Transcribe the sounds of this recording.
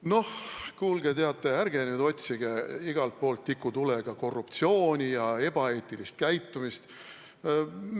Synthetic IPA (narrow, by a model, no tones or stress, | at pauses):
no̞hkuːlɡet̪e̞ɑt̪ːˑeærɡ̥e̞nyːd̪o̞t̪ʲsiɡ̥eiɡ̥ɑlt̪̚po̞ːlt̪ːikːˑut̪uleɡ̥ɑko̞rːupt̪sio̞ːnʲijɑe̞b̥ɑe̞ːt̪ˑːilist̪̚kæjt̪ːˑumist̪